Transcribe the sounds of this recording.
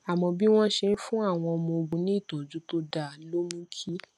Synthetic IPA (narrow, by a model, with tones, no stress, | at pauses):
a˨mɔ̃˧bi˦w̃ɔ̃˦ʃe˧n̩˦fũ˦a˦˨w̃ɔ̃˧ɔ˧mɔ̃˧o˧ɡ͡bũ˨˧nĩ˦i˦˨tɔ̃˨d͡ʒũ˨˦to˦da˦˨lo˦mũ˦kʰi˦